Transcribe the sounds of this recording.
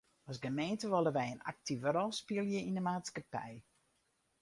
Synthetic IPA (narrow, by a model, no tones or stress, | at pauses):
ɔsɡəmeːntəʋɔləʋɛjəna̰k̚tʰivɾɔlˠspiəlˠjəinəmaːtskapɛ̰j